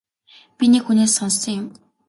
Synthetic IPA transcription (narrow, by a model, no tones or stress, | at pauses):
pʲinekxuneːsːɔnsɞ̆ŋjʊm